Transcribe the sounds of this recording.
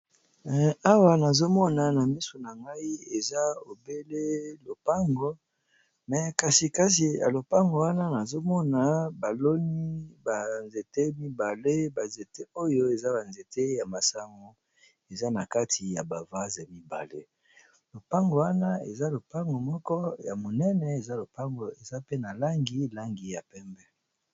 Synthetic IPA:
a˦wa˨na˨zo˦mɔ˦na˨na˨mi˦so˨na˨ŋɡa˦i˦e˨za˦o˨be˦le˦lo˨pa˦ŋɡo˦ | mɛ˨ka˨si˨ka˦s̬i˨ja̰˨lo˨pa˦ŋɡo˨wa˦na˦na˨zo˦mɔ˦na˨ba˨lo˦ni˦ba˨nze˨te˦mi˦ba˨le˦ba˨nze˨te˦o˦jo˦e˨za˦ba˨nze˨te˦ja˨ma˨sa˦ŋɡo˨ | e˨za˦na˨ka˦tʰi˨ja˨ba˨va˦za˨mi˦ba̰˨lḛ˦ | lo˨pa˦ŋɡo˨wa˦na˦ḛ˨za˦lo˨pa˦ŋɡo˨mɔ˦kɔ˦ja˨mo˨nɛ˦nɛ˨e˨za˦lo˨pa˦ŋɡo˨e˨za˦pe˦na˨la˦ŋɡi˨la˦ŋɡi˨ja˨pɛ˦mbɛ˦

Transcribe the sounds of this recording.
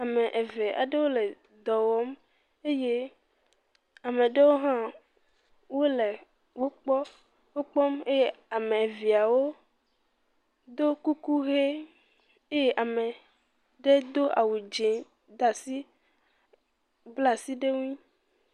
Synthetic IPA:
a˨mɛ̃˨ʔe˨ve˨ʔa̰˨ɖe˦wo˦le˨ | d̪ɔ˨wɔ˦m | e˦je˦ | a˨mẽ˨ɖe˦wo˦ɦã˦ | wo˦le˨ | wo˦k͡pɔ˦ | wo˦k͡pɔ˦me˦je˦a˨mẽ˨vi˨a˨wo˦ | d̪o˦ku˦ku˦ɣe˦ | e˦je˦ʔa˨mẽ˨ | ɖe˦d̪o˦ʔa˨wu˨d͡ʒe˨ | d̪a˨si˦ | bla˦si˦ɖe˦ŋũ˦ĩ˦

